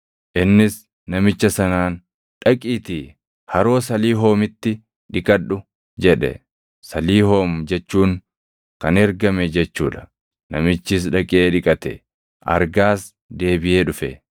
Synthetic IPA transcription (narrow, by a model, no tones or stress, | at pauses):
ʔɪnːɪs | nɐmɪt͡ʃːɐsɐnaːn | ᶑɐkʼiːt̪iː | hɐɾo̞ːsɐliːɦo̞ːmɪt̪ːɪ | ᶑɪkʼɐᶑːʊ | d͡ʒɛᶑɛ̰ | sɐliːho̞ːmd͡ʒɛt͡ʃːuːŋ | kɐnɛɾɡɐmɛd͡ʒɛt͡ʃːṵːᶑɐ̥ | nɐmɪt͡ʃːɪs̬ᶑɐkʼɪʔeːᶑɪkʼɐt̪ɛ̰ | ʔɐ̰ɾɡaːs | d̪e̞ːbɪʔeːᶑʊfɛ